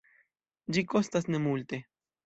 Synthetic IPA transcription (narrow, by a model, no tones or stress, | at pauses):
d͡ʒikost̪asnemult̪e